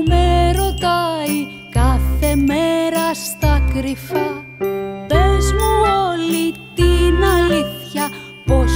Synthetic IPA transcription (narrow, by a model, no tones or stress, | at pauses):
meɾo̞t̪ɐi | kɐθe̞meɾɐst̪ɐkɾifɐ | pezmuolit̪inɐliθçɐ | pos